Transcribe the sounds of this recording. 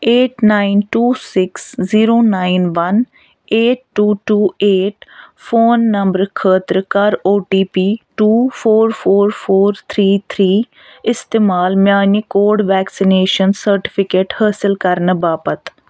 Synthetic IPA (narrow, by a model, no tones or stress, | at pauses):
eːʈnaːinʈuːsɪksziːɾoːnaːinʋən | eːʈːuːʈuːeːʈpʰoːnːəmbəɾkʰəːt̪ɾəkaɾoːʈiːpiːʈuːpʰoːɾpʰoːɾpʰoːɾt̪ʰɾiːt̪ʰɾiː | ɪst̪eːmaːlmjaːniːkoːɾɖʋɛːksɪneːʃənsəɾʈɪ̥pʰɪkeːʈhaːsɪlkəɾnbaːpət̪